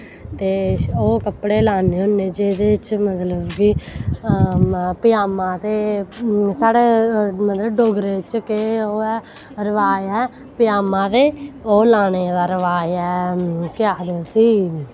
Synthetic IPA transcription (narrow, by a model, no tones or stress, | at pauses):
t̪eːoːkəpɽeːlaːneːɦoneːd͡ʒeːd̪eːt͡ʃmət̪ləbɡiː | pɪjaːmãːt̪eː | saːɽeːmət̪ləbɖoːɡɾeːt͡ʃkeoːɛː | ɾəʋaːɛː | pɪjaːmãːt̪eːoːlaːned̪aːɾəʋaːɛːkɪjaːd̪eosiː